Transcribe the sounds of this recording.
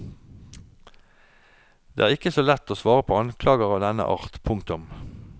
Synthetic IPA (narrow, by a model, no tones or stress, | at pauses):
d̪ḛːæːʁɪkəsoːlɛt̪oːsʋɑːʁəpʰoːɑnkʰlɑːɡəʁɑːʋd̪ɛnə̰ʔɑ̰ːʁt̪pʰʊŋkt̪ʊm